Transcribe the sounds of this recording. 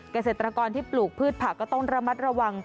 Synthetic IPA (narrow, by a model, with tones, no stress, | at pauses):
ka˧seː˨˩t̪ɾa˧kɔː˧nt̪ʰiː˥˩pluː˨˩k̚pʰɯː˥˩t̪̚pʰa˨˩kːɔː˥˩t̪ɔ˥˩ŋɾa˧ma˦˥t̪̚ɾa˧wa˧ŋ